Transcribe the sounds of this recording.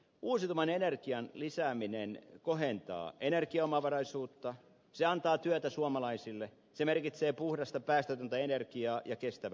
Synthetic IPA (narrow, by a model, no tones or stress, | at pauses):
uːsit̪umɑnenerkiɑnlisæːminenkoɦent̪ɑ̰ːenerkiɑomɑʋɑrɑisuːt̪ːɑ | seɑnt̪ɑːt̪yøt̪æsuɑmɑlɑisilːe | semerkit̪seːpuhdɑst̪ɑpæːst̪øt̪ønt̪æenerkiɑːjɑkest̪æʋæ